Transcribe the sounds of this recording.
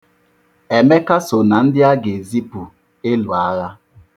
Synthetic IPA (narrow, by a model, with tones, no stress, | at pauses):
ɛ˨mɛ˦ka˦so˨na˨n̩˦dɪ˦a˦ɡe˨zi˦pu˨ | e˦lwa˨˦ɣa˦